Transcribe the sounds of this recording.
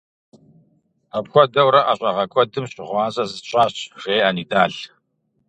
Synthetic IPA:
ɐpxʷɔdɐwɾɐʔɐɕʼɐʁɐkʷʼɔdɨmɕʼɪʁʷɑːzʼɐzɨɕʼaːɕʁ̥eːaniːdaːɬ

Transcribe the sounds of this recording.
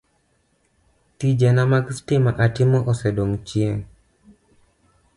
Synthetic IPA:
tid͡ʒɛnamakstɪmaʔatɪmɔʔɔsɛdoŋt͡ʃjeŋ

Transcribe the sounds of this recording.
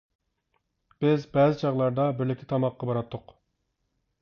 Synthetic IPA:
b̥ɪzbɛːzɪt͡ʃʰɑʁlˠɑɾd̪ɑbɪɾlɪkʲːʰɪt̪ʰɑmɑqːɑbɑɾɑt̪ʰːʊq

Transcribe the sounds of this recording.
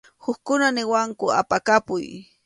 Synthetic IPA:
xʊkkʊnanɪwaŋkʊa̰pakapʊj

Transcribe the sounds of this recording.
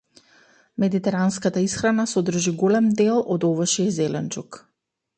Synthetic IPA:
mɛd̪it̪ɛɾanskat̪aisxɾanasɔd̪r̩ʒiɡolɛmd̪ɛlˠɔd̪ɔvaʃiɛzɛlɛnt͡ʃuk

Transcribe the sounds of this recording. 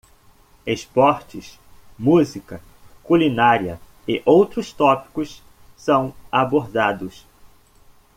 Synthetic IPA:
espɔɾt͡ʃɪs | muzikɐ | kulinaɾiɐ | ɪʔowt̪ɾʊst̪ɔpi̥kʊs | sɐ̃w̃aboɾd̪ad̪ʊs

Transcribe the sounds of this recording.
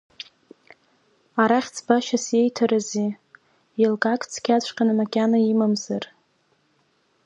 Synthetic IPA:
aɾaχʲt͡sʰbaʃasje̞jtʰaɾazi | jelɡakʰʼt͡sʰkʲat͡ɕʷʰʼqʲʼanamakʲʼanaimamzar

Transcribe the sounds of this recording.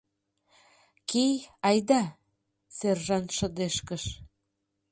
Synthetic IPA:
kejɑjd̪ɑ | serʒɑnʃə̆d̪eʃkəʃ

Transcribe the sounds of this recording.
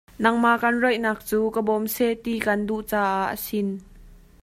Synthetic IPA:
nɐŋmaʔkɐnrɔjʔnaːk̚t͡suːkəbɔmsɛt̪ikɐnduʔt͡saːʔaʔə̰sin

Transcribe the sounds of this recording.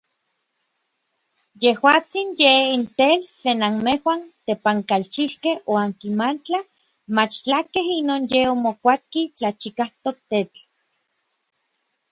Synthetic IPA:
jehwaːt͡sinjeint̪elt͡ɬeːnanmehwant̪epaŋkalt͡ʃihkehoaŋkimant͡ɬa | mat͡ʃt͡ɬakeɦinoːnjeomokʷat̪̚kit͡ɬat͡ʃikaht̪ok̚t̪et͡ɬ

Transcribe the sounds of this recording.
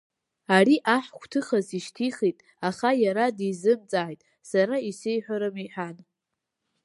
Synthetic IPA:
aɾiʔaħʷkʷʰtʰɨχaziʃtʰiχitʼ | aχajaɾadizɨmt͡sʼaːjtʼ | saɾaisejħʷᶣaɾɨmiħᶣan

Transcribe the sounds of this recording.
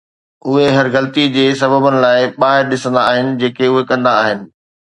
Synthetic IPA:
ʊɦeɦɐɾɣɐlt̪id͡ʑeːsɐbəbənɪ̆laːɪɓaːɦɪɾɗɪsə̃nd̪aːɦɪnɪ̆d͡ʑeːkeʊɦekɐ̃nd̪aːɦɪnɪ̆

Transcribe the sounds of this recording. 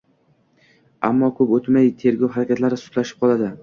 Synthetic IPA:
a̰mːɒkʰɵpot̪majt̪ʰe̞ɾɡʲɒwɦaɾakʲat̪laɾɪsʊ̥t̪laʃɪ̥p̚qʰɒlˠad̪ɪ

